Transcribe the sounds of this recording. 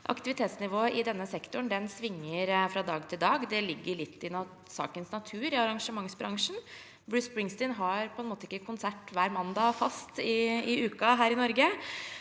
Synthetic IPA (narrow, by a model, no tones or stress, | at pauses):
ʔɑ̰kt̪ɪʋɪt̪ʰeːt̪snɪʋoːʔɪd̪ɛnːəsɛkt̪ʊɳd̪ɛnsʋɪŋːəɾfɾɑd̪ɑːɡt̪ʰɪld̪ɑːɡd̪ɛlɪɡːəɭɪt̪ʰːɪnɑ | sɑ̰ːkənsnɑt̪ʰʉːɾɪɑɾɑŋʂəmɑŋsbɾɑŋʂɳ̩ | bɹʉːsbɹɪŋst̪ɪnɦɑɾpʰɔɛnmoːt̪əɪkːəkʰʊnsæʈːʋæːɾmɑnd̪ɑfɑst̪ɪɪʉːkɑɦæːɾɪnɔɾɡə